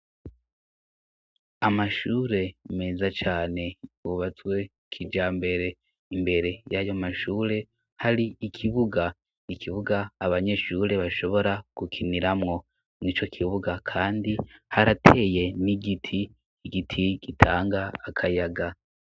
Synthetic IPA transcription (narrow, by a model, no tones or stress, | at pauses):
amaʃuːɾe̞me̞zat͡ʃaːne̞uβat͡swe̞ | kʰid͡ʒaːmbe̞ɾe̞ | imbe̞ɾe̞jajo̞maʃuːɾe̞ | haɾiːkʰiβuɡa | nikʰiβuɡaːβaɲe̞ʃuɾe̞βaʃo̞βo̞ɾaɡ̥ukʰiniɾamŋo̞ | nit͡ʃo̞kʰiβuɡakʰaːndihaɾatʰe̞ːje̞niɡitʰiː | ɡitʰiɡitʰaːŋɡaːkʰajaɡa